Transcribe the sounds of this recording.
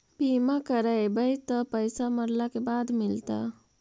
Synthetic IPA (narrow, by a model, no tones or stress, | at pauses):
pimakəɾəjbəjt̪əpəjsaməɾlakebaːd̪mɪlt̪a̰